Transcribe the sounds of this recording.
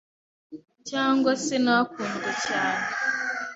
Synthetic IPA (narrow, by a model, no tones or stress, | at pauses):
t͡ʃaŋ̩ɡɔsɪnɔkʷʊn̩dɪt͡ʃana